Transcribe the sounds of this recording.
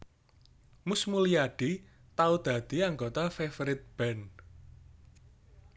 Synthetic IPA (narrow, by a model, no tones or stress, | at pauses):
mʊsmuliaɖ̥i̤ | t̪aud̪̥a̤d̪̥i̤aŋɡot̪afefɾɪt̪̚b̥ɛn